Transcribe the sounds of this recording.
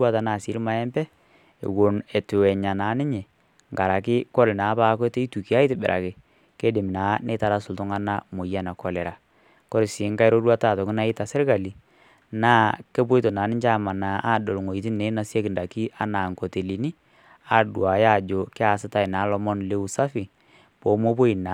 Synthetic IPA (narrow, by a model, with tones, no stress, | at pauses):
a˦ta˨naː˨si˨˦ɾma˦ɛ˦mbɛ˦ | ḛ˨wo˨ne˨tu˨wɛ˨ɲa˨na˨˦nɪ˦ɲe˨ | ŋɡa˨ɾa˨kɪ˦kɔ˦lna˨˦pa˦ke˦te˦i˦tu˨ki˨a˦i˦tɪ˨bɪ̰˨ɾʔa̰˨kɪ˨ | ke˦dɪ˨m˨naː˨˦ne˦ta˦ɾa˦sʊ˨ltʊ˦ŋa˦na˦mo˨ja˦na˨kɔ˨lɛ˨ɾa˨ | kɔ˦ɾe˨si˨˦ŋka˦ɪ˦ɾo˦ɾwa˦ta˦˨tɔ˨kɪ˦na˦ɪ˦ta˨sɪ˦ɾka˨li˨ | naː˦ke˦bo˦i˦to˨naː˨˦nɪ˦t͡ʃa˦ma˨na˨ʔa˦do˨lŋo˨i˨tɪ˦nne˨˦na˨sja˦kɪ˨nda˨ki˦ʔa˦na˨ŋko˨te˨li˨ni˦ | a˦˨dwa˨ja˦˨d͡ʒo˨kɪ˦a˨sɪ˦ta˦ɪ˨naː˨˦lɔ˦mɔ˦nle˦u˦sa˦fi˨ | po˨˦mo˦po˦i˨na˨